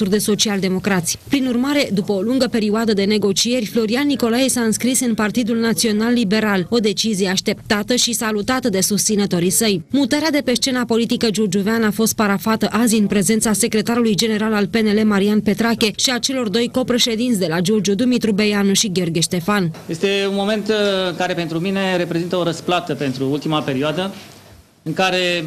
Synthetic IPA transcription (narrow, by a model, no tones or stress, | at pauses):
urd̪e̞so̞t͡ʃiald̪e̞mo̞kɾat̪sʲpɾinurmaɾe̞d̪upəoluŋɡəpe̞ɾiuad̪əd̪e̞ne̞ɡo̞t͡ʃie̞rʲflo̞ɾianːiko̞lajesaɨnskɾisɨnpart̪id̪ulnat̪sio̞nalːibe̞ɾalo̞d̪e̞t͡ʃizijeaʃt̪e̞p̚t̪at̪əʃisalut̪at̪əd̪e̞sust̪sinət̪o̞ɾisəjmut̪aɾead̪e̞pe̞ʃt͡ʃe̞napo̞lit̪ikəd͡ʒurd͡ʒuveanafo̞st̪̚paɾafat̪əʔaziɨnpɾe̞ze̞nt̪sase̞kɾe̞t̪aɾulujd͡ʒe̞ne̞ɾalalpe̞ne̞le̞maɾianpe̞t̪ɾakʲe̞ʃiat͡ʃe̞lo̞rd̪o̞jko̞pɾe̞ʃe̞d̪int̪sʲd̪e̞lad͡ʒurd͡ʒud̪umit̪ɾubejanuʃiɡʲio̞rɡʲeʃt̪e̞fanje̞st̪e̞unmo̞me̞nt̪ɨŋkaɾe̞pe̞nt̪ɾumine̞ɾe̞pɾe̞zint̪əo̞ɾəsplat̪əpe̞nt̪ɾuult̪imape̞ɾioad̪ə | ɨŋkaɾe̞